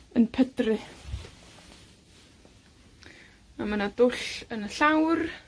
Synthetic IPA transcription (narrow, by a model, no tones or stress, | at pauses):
ənpʰədrɪ | mamənadʊɬənəɬawr